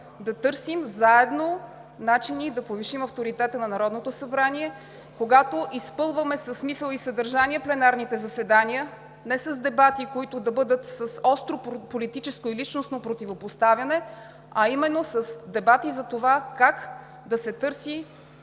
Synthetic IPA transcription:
d̪ɐt̪ɤɾsimzaɛd̪no | nat͡ʃinid̪ɐpoviʃimɐft̪oɾit̪ɛt̪ənɐnɐɾɔd̪not̪osɐbɾaniɛ | koɡat̪oʔispɤlˠvəmɛsɐsːmisəlˠisɐd̪əɾʒaniəplɛnaɾnit̪ɛzɐsɛd̪aniə | nɛsɐzd̪ɛbat̪ikoit̪ʊd̪ɐbɤd̪ət̪sɐsɔst̪ɾopolit̪it͡ʃɛskoilit͡ʃnosnopɾot̪ivopost̪avʲjɐnɛ | ɐimɛnːosɐsd̪ɛbat̪izɐt̪ovakak | d̪ɐsɛt̪ɤɾsi

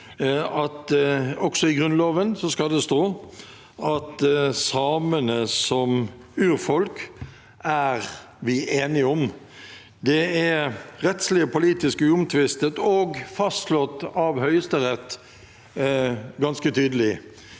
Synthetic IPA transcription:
ɑt̪ɔksɔɪɡʁʉnloːʋənsɔskɑld̪ɛst̪oː | ɑt̪sɑːmənəsɔm | ʉːɾfɔlk | æɾ | ʋɪʔeːnɪɔm | d̪ɛæɾɛt̪slɪəpʰʊliːt̪ɪskʉʊmt̪ʰʋɪst̪ət̪ɔːɡfɑst̪lɔt̪ːɑʋhœʏəst̪əʁɛt̪ː | ɡɑnskət̪ʰyːd̪əlɪ

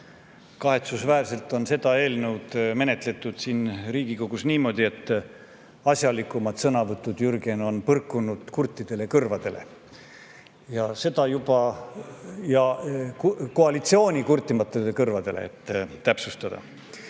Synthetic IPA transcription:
kɑɦe̞t̪susvæːrse̞lt̪ˑo̞nse̞d̪̥ɑe̞ːlnewd̪̥me̞ne̞t̪le̞t̪ːˑud̪̥siːnriːɡ̥iko̞ɡ̥usniːmo̞d̪ʲie̞t̪ːˑ | ɑsʲjɑlikːˑumɑd̪̥sɤnɑvɤt̪ːˑud̪̥jyrɡeno̞npɤrkˑːunud̪̥kurt̪ʲːˑid̪̥e̞le̞kɤrvɑd̪̥e̞le̞̰ | jɑse̞d̪̥ɑjub̥ɑ | jɑ | ko̞ɑlit̪sio̞ːnʲikurt̪ːˑimɑt̪ːˑelekɤrvɑd̪̥e̞lḛḛt̪ːæpsust̪ɑd̪̥ɑ̰

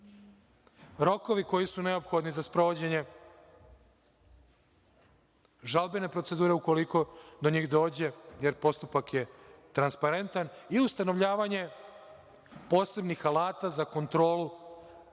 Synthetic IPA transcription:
ɾo̞ko̞ʋiko̞jisune̞o̞pxo̞d̪nizaspɾo̞ʋod͡ʑe̞ɲe̞ | ʒalˠbene̞pɾo̞t̪se̞d̪uːɾe̞uko̞liko̞d̪o̞ɲiːxd̪o̞ːd͡ʑe̞jeɾpo̞st̪upakje̞t̪ɾanspaɾe̞nt̪aniust̪ano̞ʋʎaːʋaɲe̞ | po̞ːse̞bnixalaːt̪azako̞nt̪ɾo̞ːlu

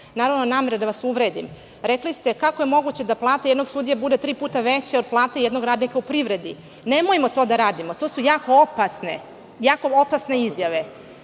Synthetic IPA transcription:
naːɾaʋnonaːme̞ɾed̪aʋasuʋɾed̪im | ɾeklist̪e̞kako̞je̞mo̞ɡut͡ɕed̪aplˠaːt̪ajed̪no̞ɡsud̪ijabud̪et̪ɾiːpuːt̪aʋet͡ɕeo̞d̪̚plˠaːt̪ejed̪no̞ɡɾaːd̪nikaupɾiʋɾe̞d̪i | ne̞mojimo̞t̪o̞ːd̪aɾaːd̪imot̪o̞ːsujaːko̞opasnḛ | jaːko̞opasne̞izjaʋe̞

